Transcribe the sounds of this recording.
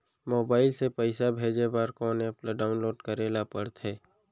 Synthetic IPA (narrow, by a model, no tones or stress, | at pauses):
moːbaːɪlsepəɪsabʱeːd͡ʒebaɾkɔːneɐplaɖaːʊnloːɖkəɾeːlapəɽt̪ɦɛː